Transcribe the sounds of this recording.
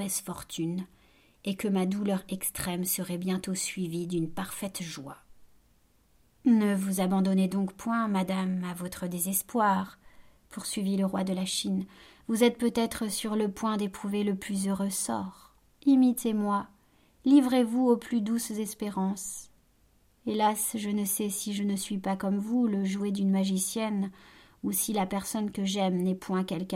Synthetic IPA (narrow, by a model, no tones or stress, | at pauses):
ɛsfɔʁt̪ʰyn | ekəmad̪ulœʁɛkst̪χɛmsəʁɛbjɛ̃t̪osɥivid̪ynpaʁfɛt̪ʒwa | nəvuzabɑ̃d̪ɔned̪ɔ̃kpwɛ̃mad̪amavɔt̪χəd̪ezɛspwaʁ | pʰuʁsɥiviləʁwad̪əlaʃinvuzɛt̪̚pøt̪ɛt̪χəsyʁləpwɛ̃d̪epχuveləplyzøʁøsɔ̰ʁ | imit̪emwa | livʁevuoplyd̪uszɛspeʁɑ̃s | elasʒənəsɛsiʒənəsɥipakɔmvuləʒued̪ynmaʒisjɛn | usilapɛʁsɔnkəʒɛmnɛpwɛ̃kʲɛlk